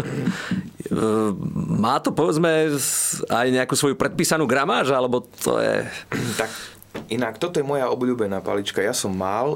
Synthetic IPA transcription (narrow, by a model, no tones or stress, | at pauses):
maːt̪ɔpɔʋɛd͡zmɛ | ajɲɛakuːsʋɔjupɾɛt̪̚piːsanuːɡɾamaːʒalɛbɔt̪ʰɔ̰jɛ̰t̪ak | ʔinakt̪ɔt̪ɔjɛmɔjaɔbʎuːbɛnaːpa̰lit͡ʃkajasɔmːal